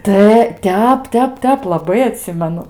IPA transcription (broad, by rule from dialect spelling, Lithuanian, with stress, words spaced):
ˈtɐ ˈtʲɛp ˈtʲɛp ˈtʲɛp lˠɐˈbɐɪ ɐˈtʲsʲɪmʲɛnʊ